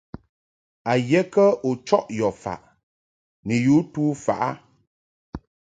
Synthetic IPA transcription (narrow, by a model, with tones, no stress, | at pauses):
a˨jɛ˦kə˦u˨t͡ʃɔ˦ʔjɔ˨fa̰˨ʔ | nɛ˨ju˨˦tuː˦fa̰˨ʔa̰˦